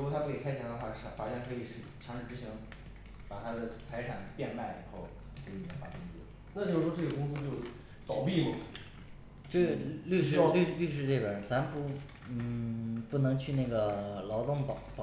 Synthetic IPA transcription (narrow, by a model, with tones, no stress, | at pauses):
ɻwɔ˧˩t̪ʰa˥pu˥˩ke˨˩ɪkʰɪt̪ʰjɛ˧˥nd̪ə˧xwa˥˩˧fa˨˥˩ɕjɛ˥˩nkʰɤ˧˥i˨˩ʂɻ̩˥˩t͡ɕʰjɑ˧˥ŋʂɻ̩˥˩ʈ͡ʂɻ̩˧˥ɕi˧˥ŋ | pa˨˩t̪ʰa˥d̪ə˨t͡sʰa˧˥ɪʈ͡ʂʰa˨˩npjɛ˥˧nma˥˩ɪḭ˨˩xo˥˩ʊ | kʰi˧˩˧nfa̰˧˥˩kʊ˥ŋs̩˥˩ | na˥˩t͡ɕjo˥˩˧ʂwɔ˥ʈ͡ʂɤ˥˩i˨˩kʊ˥ŋs̬̩˥t͡ɕjo˥˩ʊ | t̪ɑ˨˩ʊpi˥˩mə˨˩ | ʈ͡ʂly˥˧ʂly˥˩ly˥˧ʂ̬ɻ̩˥˧ʈ͡ʂe˥˩pə˨˩t͡sa˧˥m˧pu˥˩ | n̩˥˩pu˥˩nɤ˧˥ŋt͡ɕʰy˥˧na˥˩ɡə˩lɑ˧˥ʊt̪ʊ˥˩ŋpɑ˨˩pɑ˨˩